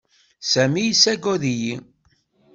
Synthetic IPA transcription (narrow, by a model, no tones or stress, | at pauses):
sæmijisːæɡɔðiji